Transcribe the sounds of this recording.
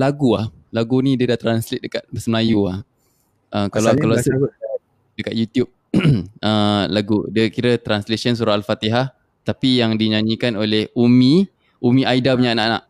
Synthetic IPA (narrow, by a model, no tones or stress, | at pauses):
laɡuah | laɡunidiədaht̪ɾanslɪt̪̚dəkat̪̚bəsəmlajuah | ʔəkalakalas | dəkat̪̚jut̪jup̚ | əlaɡṵdiəkiɾət̪ɾanslesəns̬uɾaalfat̪iɦah | t̪apijaŋdiɲaɲĩkanolehumĩ | umĩʔaidabɲaʔnaʔna̰ʔ